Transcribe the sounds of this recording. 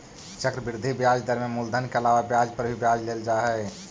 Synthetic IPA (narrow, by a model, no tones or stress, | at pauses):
t͡ʃəkɾəbɪɾd̪ʱibjad͡ʒd̪əɾmẽmuld̪ʱənkeəlaʋabjad͡ʒpəɾbʱibjad͡ʒleld͡ʒaɦɛ